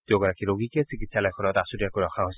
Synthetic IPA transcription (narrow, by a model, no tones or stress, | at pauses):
teʊɡɔɹakiɹoɡikɛsikitsalɔjkʰɔnɔtasudiakoɹɔxʰaɦojsɛ